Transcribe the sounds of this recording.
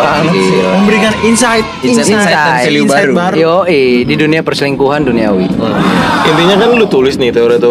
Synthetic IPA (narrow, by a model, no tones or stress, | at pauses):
aiməmbəɾikaninsajt̪̚iasaajiliubaɾbaɾjjoʔididuniapərsliŋkuɦanduniawi | int̪iɲakanlʊt̪ulɪsnɪht̪eoɾit̪o